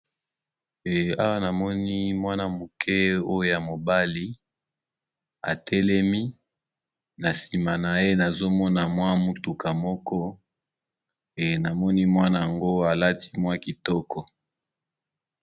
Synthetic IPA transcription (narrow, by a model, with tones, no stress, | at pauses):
e˨a˦wa˦na˨mɔ˦ni˦mwa˦na˦mo˨kʰɛ˦o˦jo˦˨ja˨mo˨ba˦li˦ | a̰˨tʰɛ˦lɛ˦mi˦ | na˨si˨ma˨na˨e˦na˨zo˦mɔ˦na˨mwa˦mu˦tu˨ka˨mɔ˦kɔ˦ | e˨na˨mɔ˦ni˦mwa˦na˨ja˨ŋɡo˦a˨la˦ti̥˦mwa˦ki˨tɔ˦kɔ˨